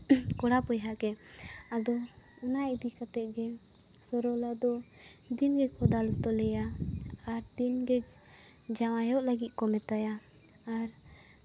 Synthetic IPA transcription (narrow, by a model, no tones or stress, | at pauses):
kɔɽapɔjɦakɛ | ad̪ɔ | unaid̪ikat̪ɛʔ̪̚ɡɛ | sɔɾɔlad̪ɔ | d̪inɡɛd͡ʒkɔd̪alut̪ɔlɛjaː | ɾd̪inɡɛd͡ʒ | d͡ʒawajɔʔlaɡit̪̚ˀkɔmɛt̪aja | aɾ